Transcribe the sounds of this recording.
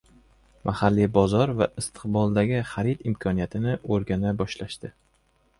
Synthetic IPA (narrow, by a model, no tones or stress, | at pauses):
mʔahalːibɒzɒɾva̰ʔɪst̪ʰɨ̥qbɒlˠd̪aɡʲɪχaɾit̪ɪmkʰɒnijat̪ʰɪnɪʔoɾɡʲanabɒʃlaʃt̪ɪ